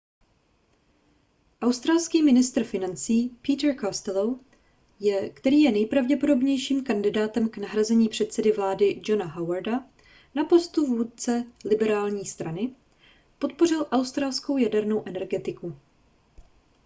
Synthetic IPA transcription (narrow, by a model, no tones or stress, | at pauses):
ʔawst̪ɾalskiːmɪnɪst̪r̩fɪnant͡siːpiːt̪ɛɾkast̪ɛlow | jɛkt̪ɛɾiːjɛnɛjpɾavɟɛpo̞do̞bɲɛjʃiːmkandɪdaːt̪ɛmknaɦɾazɛɲiːpr̥ɛt̪sɛdɪvlaːdɪd͡ʒo̞naɦawaɾda | napo̞st̪uvuːt̪̚t͡sɛlɪbɛɾaːlɲiːst̪ɾanɪ | po̞t̪̚po̞r̝ɪlʔawst̪ɾaːlsko̞wjadɛɾno̞wʔɛnɛɾɡɛt̪ɪku